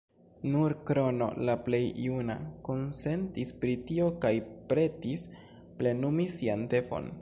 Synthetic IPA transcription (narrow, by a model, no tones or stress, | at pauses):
nuɾkɾo̞no̞̰laple̞jjuna̰ko̞nse̞ntispɾitio̞kajpɾe̞tis | ple̞numisiante̞fo̞̰n